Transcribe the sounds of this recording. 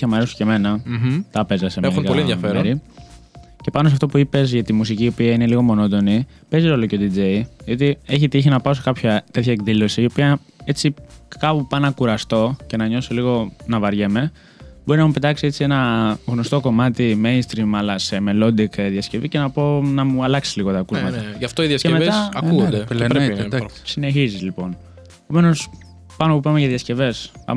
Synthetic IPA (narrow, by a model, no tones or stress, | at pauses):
çɐmɐɾesu̥ceme̞nɐt̪ɐpezɐsemelkɐliẽʝɐfeeɾi | ce̞pɐnos̬eɐft̪o̞puipe̞zʝɐt̪imus̬iciːo̞piɐine̞liɣo̞mo̞no̞t̪o̞ni | pe̞zio̞loceod̪id͡ze̞jðio̞t̪ie̞çit̪içinɐpɐosekɐpçɐt̪e̞t̪çɐekðilo̞siio̞piɐ | e̞t͡sikɐpopɐnɐkuɾɐst̪o̞ce̞nɐɲo̞soliɣo̞nɐvɐɾʝe̞me̞ | bo̞ɾinɐmupet̪ɐksie̞t͡sie̞nɐɣno̞st̪o̞ko̞mɐt̪imejnst̪ɾimɐlɐse̞melo̞d̪ikðjɐsce̞vice̞nɐponɐmuɐlɐksi̥z̥liɣo̞t̪ɐːkuzmɐt̪ɐʝɐft̪oiðjɐscemeɐɐuod̪epɾesine̞çizizlipo̞n | pome̞no̞s | pɐnopupɐmeʝɐðjɐsce̞ve̞spɐ̰m